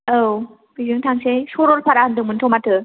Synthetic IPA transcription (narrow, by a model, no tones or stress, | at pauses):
aw | bizɯŋtʰaŋsejsoɾɔlpʰaɾahɯndɯŋmɯntʰomatʰɯ